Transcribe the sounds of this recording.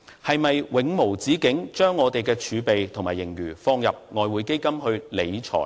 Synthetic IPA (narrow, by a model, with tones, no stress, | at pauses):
hɐ˨jmɐ˨jwɪ˨˧ŋmo˨˩wt͡siː˨˥kɪ˨˥ŋt͡ʃœː˥ŋːɔː˨˧t̪e˨jkɛː˧t͡ʃʰyː˨˧pe˨jt̪ʰʊ˨˩ŋmaː˨˩jːɪ˨˩ŋjyː˨˩fɔː˧ŋjɐ˨p̚ŋɔː˨˧jwuː˨˧jke˥jkɐ˥mhɵ˧ɥle˨˧jt͡ʃʰɔ̰ː˨˩j